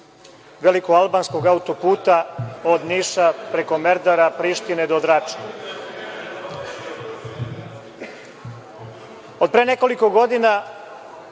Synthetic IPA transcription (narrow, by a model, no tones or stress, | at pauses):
ʋelikoɡalbansko̞ɡaut̪o̞puːt̪aod̪niʃapɾe̞ko̞meɾd̪aɾapɾiʃt̪ined̪od̪ɾat͡ʃna | od̪̚pɾeːneko̞liko̞ɡo̞d̪ina